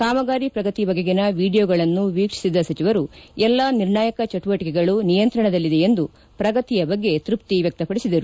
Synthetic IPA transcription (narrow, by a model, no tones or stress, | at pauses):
kaːmɐɡaːɾipɾɐɡɐt̪ibɐɡeɡenɐʋiːɖijoːɡɐɭɐnːuʋiːkʂi̥sid̪ɐsɐt͡ʃiʋɐɾuɛlːɐniɾɳaːjɐkɐt͡ʃɐʈuʋɐʈikɛɡɐɭunijɐnt̪ɾɐɳɐd̪ɐlːid̪e̞end̪u | pɾɐɡɐt̪ijɐbɐɡːe̞t̪ɾup̚t̪iʋjɛk̚t̪ɐpɐɽisid̪ɐɾu